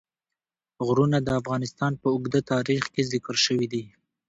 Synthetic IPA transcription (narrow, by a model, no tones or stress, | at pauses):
ɣɾunad̪əafɣɑnɪst̪ɑnpəʊɡd̪at̪ɑɾixkezɪkəɾʃəwid̪i